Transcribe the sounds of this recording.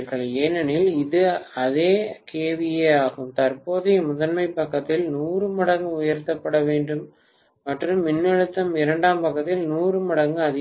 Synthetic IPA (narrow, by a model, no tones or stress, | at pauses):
ɾɣɐɭeːnɐnɪlɪðɯɐðeːkeːʋɪjeːaːɣɯmt̪ɐɾpoːðɪmʊðɐnmɐɪpːɐkːɐt̪ːɪlnuːrɯmɪɽɐŋɡɯʊjɐɾt̪ːɐpːɐɽɐʋeːɳɖɯmː | ɐʈrɯmːɪnːɐɻɯt̪ːɐmɪɾɐɳɖaːmpɐkːɐt̪ːɪlnuːrɯmɪɽɐŋɡɯɐðɪ